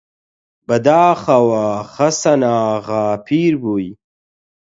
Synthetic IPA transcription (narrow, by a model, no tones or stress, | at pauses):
bɐd̪aːχɐwaːxɐsɐnaːɣaːpʰiːɾbuj